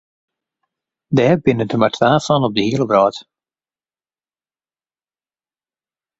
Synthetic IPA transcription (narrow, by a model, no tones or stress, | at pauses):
dɛːrbɪnəntʰəmaɹtʰʋaːfɔnɔb̚dəhiələbrɔːt